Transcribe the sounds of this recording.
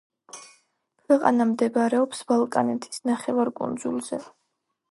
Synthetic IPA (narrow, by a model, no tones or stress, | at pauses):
kʰwɛqʼa̰namd̪ɛbɾɛɔpsb̥alˠkʼanɛt̪ʰi̥snaχɛvaɾkʼṵnd̪zulˠzɛ